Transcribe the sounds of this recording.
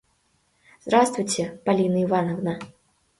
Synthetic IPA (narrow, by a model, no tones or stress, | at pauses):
zd̪ɾast̪vujt͡sʲɛpalʲinɐivanɐvnɐ